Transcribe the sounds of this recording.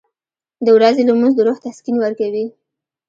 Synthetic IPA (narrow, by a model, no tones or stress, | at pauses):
d̪əwɾazelamunzd̪əɾoxt̪askinwəɾkawi